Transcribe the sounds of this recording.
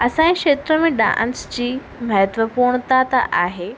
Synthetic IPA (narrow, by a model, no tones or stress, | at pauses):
ɐsãːẽkʃeːt̪ɾəmẽɗã̰ːnsd͡ʑiː | mɐɦət̪ʋəpuːɾɽ̃t̪ʰat̪a̰ʔaːɦeː